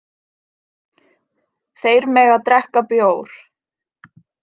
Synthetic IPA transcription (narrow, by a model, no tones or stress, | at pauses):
θejɾmɛɣaðt̪ɾɛhkapjoːwɾ̥